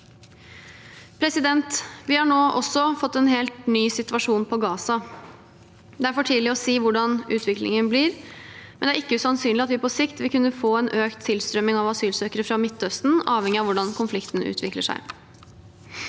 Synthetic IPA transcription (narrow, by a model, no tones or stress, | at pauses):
pʰɾɛsɪd̪ɛnt̪ʋɪhɑɳoːʔɔ̰sːɔfɔt̪ːɛnɦeːlt̪nyːsɪt̪ʉɑʂuːnpʰɔɡɑːsɑ | d̪ɛæɾfɔʈʰiːd̪lɪɔsiːʋʊɖɑnʉːt̪ʰʋɪklɪ̰ŋənblɪːɾmɛnd̪æɾɪkːəʉsɑnsyːnlɪɑt̪ʋɪpʰɔsɪkt̪ʋɪlkʉnːəfoːɛnʔøːkt̪ʰːɪlst̪ɾœmɪŋɑʋɑsyːlsøːkəɾəfɾɑmɪt̪ʰːœst̪n̩ɑːʋhɛŋɪɑʋʊɖɑnkʰʊnflɪkt̪n̩ʉ̰ːt̪ʰʋɪklə̰ʂæ̰ɪ